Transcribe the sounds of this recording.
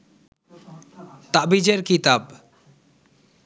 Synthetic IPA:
t̪aʔbid͡ʒeɾkit̪ab

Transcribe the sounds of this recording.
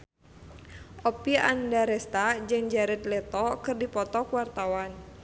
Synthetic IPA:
ʔɔpiandaɾɛst̪ad͡ʒɨŋd͡ʒaɾɛt̪̚lɛt̪ɔkɨrdipɔt̪ɔkuwart̪awan

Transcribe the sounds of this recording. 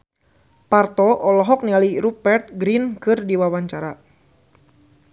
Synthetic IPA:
part̪ɔʔɔlɔɦɔk̚nialiɾupɛrt̪̚ɡɾinkɨrdiwawaɲt͡ʃaɾa

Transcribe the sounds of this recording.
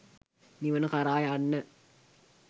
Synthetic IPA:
niʋənəkaɾaːjanːə

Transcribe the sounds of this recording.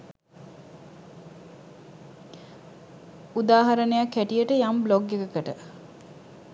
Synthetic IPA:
ud̪aːɦaɾənəjakːæʈijəʈəjambloɡekəkəʈə

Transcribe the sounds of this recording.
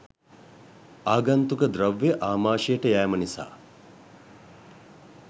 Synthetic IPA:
aːɡant̪ukəd̪ɾɐʋːeʔaːmaːʃijəʈəjæːmənisa̰ː

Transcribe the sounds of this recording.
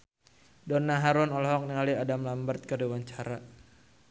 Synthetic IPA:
dɔnaɦaɾɔnɔlɔɦɔk̚niŋaliadamlambərt̪̚kədiwaɲt͡ʃaɾa

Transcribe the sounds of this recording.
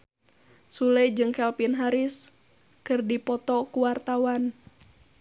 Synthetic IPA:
sulɛd͡ʒɨŋkɛlpinɦaɾis | kɨrdipɔt̪ɔkuwart̪awan

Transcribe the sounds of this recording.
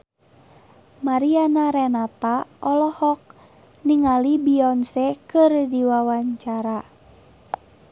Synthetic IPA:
maɾianaɾɛnat̪aʔɔlɔhɔk̚ | niŋalibiɔnsɛkɨrdiwawaɲt͡ʃaɾa

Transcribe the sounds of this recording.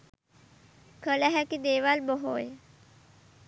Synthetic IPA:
kʰəlaɦɛkid̪eːʋalbəɦoːj

